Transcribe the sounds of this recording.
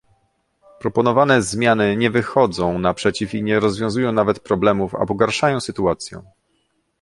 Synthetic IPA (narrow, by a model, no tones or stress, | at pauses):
pɾɔpɔnɔvanɛzmʲjanɘɲɛvɘxɔd̪zɔ̃w̃napʂɛt͡ɕifiɲɛɾɔzvʲjɔ̃w̃zujɔ̃w̃navɛt̪pɾɔblɛmufa̰bɔɡaɾʂajɔ̃w̃sɘt̪uat̪sʲjɛ̰̃w̃